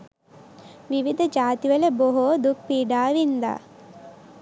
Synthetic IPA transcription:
ʋiʋid̪ʱɐd͡ʒaːt̪iʋɐleboɦoːd̪uk̚piːɖaːʋind̪a̰ː

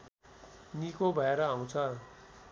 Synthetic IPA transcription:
nikobʱʌeɾʌɦãw̃t͡sʰʌ

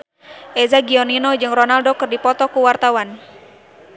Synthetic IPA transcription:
ʔɛzaɡiɔninɔd͡ʒɨŋrɔnaldɔkɨrdipɔt̪ɔkuwart̪awan

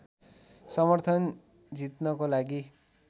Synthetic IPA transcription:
sʌmʌrt̪ʰʌn | d͡zit̪nʌkolaɡi

